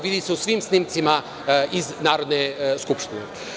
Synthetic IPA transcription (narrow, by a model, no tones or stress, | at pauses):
ʋid̪iseusʋimsnimt̪sima | iznaːɾod̪neskupʃt̪inḛ